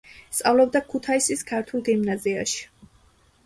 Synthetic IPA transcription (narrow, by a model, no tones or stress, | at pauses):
st̪sʼavlˠɔb̚d̪akʰut̪ʰaisiskʰaɾt̪ʰulˠɡimnazia̰ʃi̥